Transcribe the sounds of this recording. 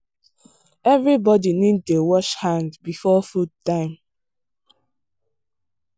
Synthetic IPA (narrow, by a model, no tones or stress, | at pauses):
ɛvɹibɔdinid̚towɔʃhãndbifɔfudtãɪ̃m